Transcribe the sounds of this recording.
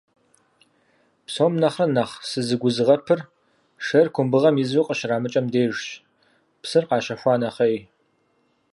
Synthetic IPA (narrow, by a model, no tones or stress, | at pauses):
psoːmnɐχrɐnɐχsɨzɨɡʷʊzɨʁɐpʰɨr | ʂɐrkʷʰʊmbɨʁɐmɪzwuqʼəɕraːmɨt͡ʃʼɐmdeːʐɕ | psɨrqɑːʃɐxʷɑːnɐχej